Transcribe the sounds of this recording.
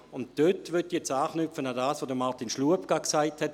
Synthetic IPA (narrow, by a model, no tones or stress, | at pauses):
ʊntd̥øtʋʏtːijɛt͡saːχnyp͡fənadaːsʋoːdəmaʁtinʃluəpkaksaɪthɛt